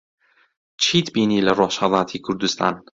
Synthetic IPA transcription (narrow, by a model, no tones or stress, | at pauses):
t͡ʃʰiːt̪biːnilæɾɒːʃaðˤat̪ʰikʰuɾd̪ust̪ʰɑ̰n